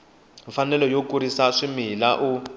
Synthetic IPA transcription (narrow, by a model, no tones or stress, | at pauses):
ɱfanɛlɔjokuɾisaʂimilaʔu